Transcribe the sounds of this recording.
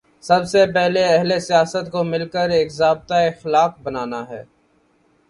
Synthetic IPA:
sɐbsepɛɦleɛɦlesijaːsət̪komɪlkəɾeːkzaːb̚t̪aeɪxɪlaːfbɐnaːnaɦɛː

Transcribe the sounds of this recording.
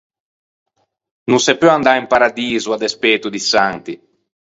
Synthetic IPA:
nunsɛpːɔand̪aimpaɾad̪iːzuad̪espɛːt̪ud̪isant̪i

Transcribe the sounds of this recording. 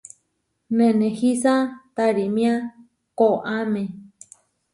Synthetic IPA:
nẽnẽhisat̪aɾimĩã | koʔamẽ

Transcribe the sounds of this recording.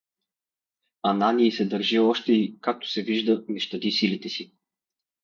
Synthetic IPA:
ananiːsɛd̪əɾʒiɔʃt̪ɛikak̚t̪o̥sɛviʒd̪ənɛʃt̪ɐd̪isilit̪ɛsi

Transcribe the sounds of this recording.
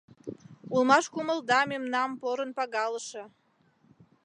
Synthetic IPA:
ulmɑʃkuməld̪ɑmemnɑmpoɾənpɑɣɑləʃe

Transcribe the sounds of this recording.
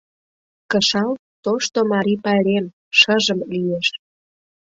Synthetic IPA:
kəʃɑl | t̪oʃt̪omɑɾipɑɾem | ʃəʒəmlieʃ

